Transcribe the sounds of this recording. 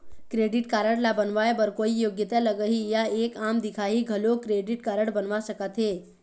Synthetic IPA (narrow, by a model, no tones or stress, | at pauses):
kɾeːɖɪʈkaːɾəɽlabənʋaebəɾkoːijoːɡjət̪aləɡəɦijaeːkaːmd̪ɪkʰaɦiɡʱəlokɾeːɖɪʈkaːɾəɽbənʋasəkət̪ɦe